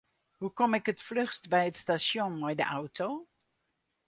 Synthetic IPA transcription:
ɦukɔmɪkətflɵχtbɛjətstaʃɔnbɛjdə̰ʔʌwto

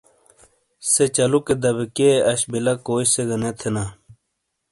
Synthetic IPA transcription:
set͡ɕɐluked̪ɐbekeɐɕbilɐkoːɕseɡɐnet̪ʰena

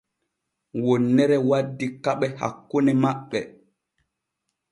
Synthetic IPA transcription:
wonːɛɾɛwadːikaɓɛha̰kːunɛmaɓːɛ

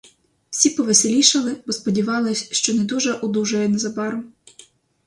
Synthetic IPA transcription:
w̥sʲipɔʋesʲelʲiʃɐlˠɪbɔspɔdʲiʋɑlˠɪsʲʃt͡ʃɔnɛd̪uʒɛʔud̪ˠuʒɐjɛnɛzɐbɑɾʊm

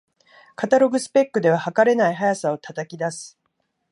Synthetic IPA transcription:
kat̪aɾo̞ɡɯ̟sɨ̥pe̞kːɯ̟d̪e̞β̞ahakaɾe̞naiɦajasao̞t̪at̪akʲid̪asɨ̥

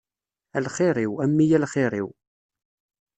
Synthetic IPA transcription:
ælχɪɾˤiwæmːijælχɪɾˤḭw

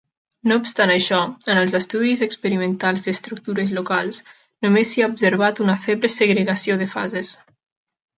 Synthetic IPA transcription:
noupst̪anəʃɔənəlˠzəst̪uðizəkspəɾimə̃nt̪alˠzd̪əst̪ɾuk̚t̪uɾəzlokalˠs | numesːiaubsəɾβat̪unəfeβləsəɣɾəɣasioðəfa̰zes

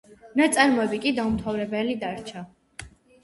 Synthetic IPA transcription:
nat̪sʼaɾmɔɛbikʼid̪aumt̪ʰavɾɛbɛlid̪aɾt͡ʃʰa

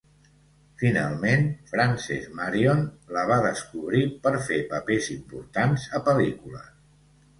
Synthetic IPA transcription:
fina̰lˠmenfɾansɛ̰zmaɾionləβ̞aðəskuβ̞ɾipəɾfepəpezimpuɾt̪anzəpəlikulə̰

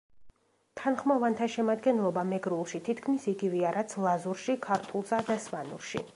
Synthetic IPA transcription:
t̪ʰanχmavant̪ʰaʃɛmad̪ɡɛnlˠɔbamɛɡɾulˠʃit̪ʰit̪ʰkʰmisiɡivɛaɾat̪sʰlˠazuɾʃikʰaɾt̪ʰulˠsad̪asvanṵɾʃḭ

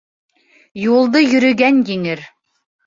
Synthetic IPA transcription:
julˠd̪ɤjɵ̆ɾɵ̆ɡænjɘŋɘɾ

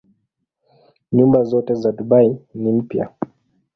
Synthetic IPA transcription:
ɲumbazɔtɛzadubainim̩pja̰

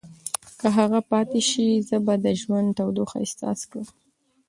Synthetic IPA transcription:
kəɦaɣapɑt̪eʃizəbad̪əʒwand̪t̪awd̪oxa̰ɪst̪ɑ̰skɽəm

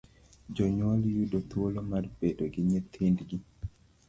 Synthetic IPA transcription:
d͡ʒɔɲwaljudot̪wolomarbedoɡɪɲet̪ʰindɡi

